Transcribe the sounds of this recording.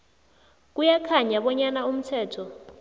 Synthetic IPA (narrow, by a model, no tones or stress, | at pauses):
k̬ʼujakʰaɲaɓɔɲanaum̩tʰɛːtʰɔ